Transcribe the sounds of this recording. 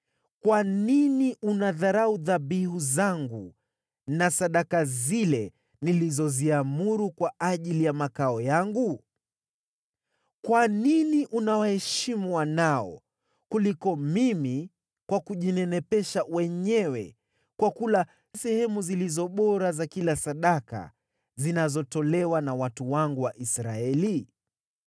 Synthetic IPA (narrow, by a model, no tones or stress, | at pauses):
kwaniniʔunaðaɾauðabihuzaŋɡu | nasaɗakazilɛ | nilizɔziamuɾukwaaʄilijamakaɔjaŋɡu | kwaniniʔunawahɛʃimuwanaɔ̰ | kulikɔmimi | kwakuʄinɛnɛpɛʃawɛɲɛwɛ̰ | kwakula | sɛhɛmuzilizɔɓɔɾazakilasaɗaka̰ | zinazɔtɔlɛwanawatuwaŋɡuwaʔisɾaɛli